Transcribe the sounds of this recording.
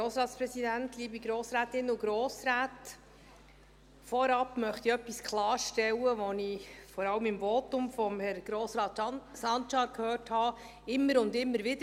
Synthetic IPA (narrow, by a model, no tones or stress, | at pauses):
ɾoːsɾɑːtspɾɛsidæntliːbiɡɾoːsɾæːtɪnːʊɡɾɔːsɾæːt | fɔɾɑpmœχtiœpːiskχlɑːɾʃtɛwːəʋɔnifɔɾɑləmɪmvɔtʊmfɔmhɛɾɡ̥ɾɔːsɾɑːtsɑnt͡ʃɑkʰhøːrthɑː | ɪmːəɾʊndɪmːəɾʋɪdə